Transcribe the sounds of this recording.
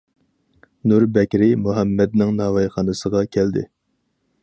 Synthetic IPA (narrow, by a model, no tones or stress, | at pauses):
nuɾbɛkʲɾɪmuɦɛmːɛd̪̚nɪŋnɑːvɑjχɑːnɨsəʁɑkʲʰæld̪ɪ̰